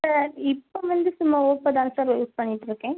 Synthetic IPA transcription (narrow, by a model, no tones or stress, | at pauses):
sɐɾɪpːoʋɐnd̪ɯsʊmːaːoːpːɐd̪ɐnsaːɾʋɐuspɐɳːɪʈːɪɾɯkːẽː